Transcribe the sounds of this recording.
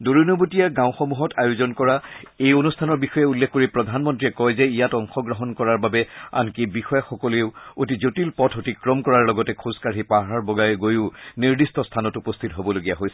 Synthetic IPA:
doɹunobutijaɡãʊ̃xɔmuɦɔtʰajozɔnkɔɹaejonustʰanɔɹbixɔjɛulːekʰkoɹipɹɔdʱanmɔntɹiɛkɔjzɛijatɔŋxɔɡɹɔɦɔnkɔɹaɹbabɛa̰nkibixɔjaxɔkɔleʊotizotilpɔtʰotikɹɔmkɔɹaɹlɔɡɔtɛkʰuskaɹɦipaɦaɹbɔɡajɡojʊniɹdistɔstʰanɔtupɔstʰitɦobɔloɡijaɦojsɛ̥

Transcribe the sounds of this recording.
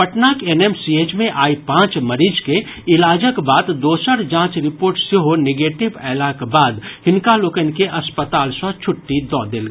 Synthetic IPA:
pəʈnakenemsiet͡ʃmẽʔaːipãːt͡ʃməɾid͡ʒke | ɪlaːd͡ʒəkbaːt̪d̪oːsəɾd͡ʒãːt͡ʃɾɪpoːɾʈseɦoneɡeːʈɪbɛːlakbaːd̪hɪnkaloːkənkeʔɐspət̪aːlsãt͡ʃʰʊʈːid̪ɔːd̪eːlɡa

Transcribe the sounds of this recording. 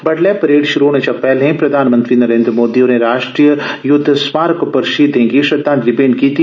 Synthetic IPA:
bɐɖlepɐɾeːɖʃʊɾoːɽ̃ẽt͡ʃapɛːlɦẽpɾɐd̪ʱaːnmə̃nt̪ɾiːnɐɾẽːnd̪ɾəmoːd̪ioneɾaːʃʈɾijəjʊd̪ʱːsmaːɾkpɐɾʃiːd̪ẽːŋɡiʃɐd̪aːnd̪ɾɪbeːnkiːt̪i

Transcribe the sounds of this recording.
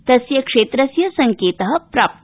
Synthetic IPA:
t̪ɐsjɐkʂeːt̪ɾɐsjɐsɐŋkeːt̪əɦɐ̆pɾaːp̚t̪

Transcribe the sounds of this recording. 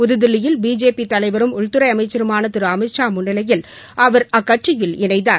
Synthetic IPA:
pʊðɯðɪlɪjɪlbiːd͡ʒeːpit̪ɐlɐɪʋɐɾɯmʊɭt̪ɯɾɐɪɐmɐɪt͡ʃːɐɾɯmaːnɐt̪ːɪɾɯɐmɐɪʈt͡ʃːaːmʊɳːɪlɐjɪl | ʔɐʋɐɾɐkːɐʈrɪjɪlɪnɐɪt̪aː

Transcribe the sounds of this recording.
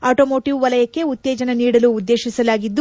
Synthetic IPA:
aːʈoːmo̞ːʈiʋʋɐlɐjɐkːe̞ut̪ːeːd͡ʒɐnɐniːɽɐluːd̪ːeːʃisɐlaːɡid̪ːu

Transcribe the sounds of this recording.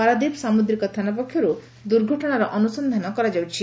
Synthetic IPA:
aɾad̪ibsamud̪ɾikɔt̪ʰanap̬ɔkʰːjɔɾu | d̪uɾɡʱɔʈɔɽ̃aɾɔʔɔnusɔnd̪ʱanɔkɔɾad͡ʒawt͡ʃʰi

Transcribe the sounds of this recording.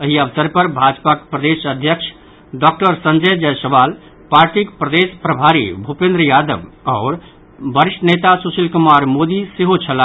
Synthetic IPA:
əɦiəʋsəɾpəɾbʱad͡ʒpakpɾəd̪esəd̪ʱjəkt͡ʃʰ | ɖɔk̚ʈəɾsənd͡ʒəd͡ʒəjsəbal | paɾʈikpɾəd̪espɾəbʱaɾḭbʱupẽnd̪ɾəjad̪ə̰bɔːɾ | bəɾiʂʈənet̪asusilkumaɾmod̪iseɦot͡ʃʰəla

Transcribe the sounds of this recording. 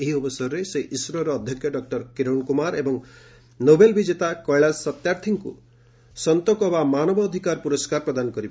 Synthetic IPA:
eɦiɔbɔsɔɾɔɾeseʔisɾɔɾɔːd̪ʱjɔkʰjɔɖɔk̚ʈɔɾkiɾɔɳkumaɾebɔŋ | nobelbid͡ʒet̪akɔjɭasɔt̪jaɾt̪ʰiŋkṵ | sɔnt̪ɔkɔbamanɔbɔːd̪ʱikaɾpuɾɔskaɾpɾɔd̪anɔkɔɾibɔ

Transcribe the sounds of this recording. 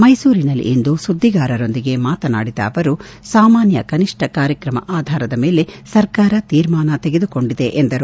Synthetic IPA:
mɐjsuːɾinɐlːḭʔind̪usud̪ʱːiɡaːɾɐɾo̞nd̪iɡe̞maːt̪ɐna̰ːɽid̪a̰ːʋɐɾu | saːmaːnjɐkɐniʂʈʰɐkaːɾjɐkɾɐmɐ̰ʔaːd̪ʱaːɾɐd̪ɐme̞ːlesɐɾkaːɾɐt̪iːɾmaːnɐt̪eɡe̞d̪uko̞ɳɖid̪e̞ʔend̪ɐɾu

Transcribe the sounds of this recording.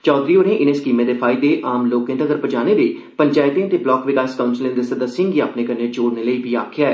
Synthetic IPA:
t͡ʃɔːd̪ɾiːoːɾẽʔɪnẽːskiːmẽːd̪eːpʰaːɪd̪eːʔaːmloːkẽt̪əɡəɾpəd͡ʒaːneːd̪eː | pəɲt͡ʃaːɪt̪ẽt̪eːblɔːkʋɪkaːskaːʊnslɪ̃nd̪esəd̪əsɪ̃ŋɡiaːpneːkəneːd͡ʒoːɾneːləiːbiːa̰ːkʰɪjaː

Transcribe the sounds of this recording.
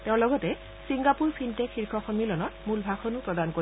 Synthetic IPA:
tɛ̃ʊ̃lɔɡɔtɛ | siŋɡapuɹpʰintekxiɹkʰɔxɔmilɔnɔtmulbʱaxʰɔnupɹɔdanko

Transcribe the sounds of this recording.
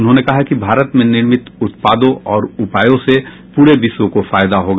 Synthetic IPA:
ʊnɦõːnekɐɦakibʱaːɾət̪mẽnɪɾmɪt̪ʊt̪paːd̪õɔːɾʊpaːjõse | puːɾebɪʃwõkofaːjd̪aɦoːɡa

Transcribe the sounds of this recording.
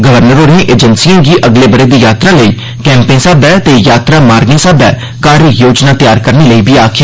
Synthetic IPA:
ɡəʋəɾnəɾoːɾẽːʔeːd͡ʒənsijãːɡiːʔəɡleːbəɾeːd̪iːjaːt̪ɾaːləiː | kɛ̃ːmpẽːsaːd̪ɛːt̪eːjaːt̪ɾaːmaːɾɡẽːsaːd̪ɛː | kaːɾijoːd͡ʒnaːt̪ɪjaːɾkəɾneːləiːbiːaːkʰː

